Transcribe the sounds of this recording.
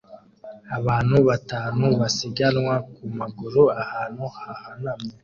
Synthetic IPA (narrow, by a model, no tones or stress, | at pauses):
aβaːn̥huβataːnuβasiɡanŋwakumaɡuɾuahaːnhuhahanamŋe